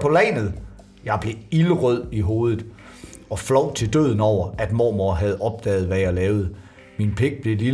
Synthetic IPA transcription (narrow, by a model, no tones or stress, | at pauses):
pʰɒ̽lɛ̰nð̩ˠ | jɑ̈ɪb̥le̝iləʁœð̞̰ˠiɦo̝ːð̞ˠð̩ˠ | ɒ̽flɒʊ̰t͡sʰe̝ld̥øð̞̰ˠn̩ɒʊ̰ɐʔæd̥mo̰ːmoɐɦæð̞ˠɒ̽b̥̚d̥ɛ̰ːð̞̩ˠʋæjɑlɛːʊð̞̩ˠ | minpʰe̝ɡ̥̚b̥le̝li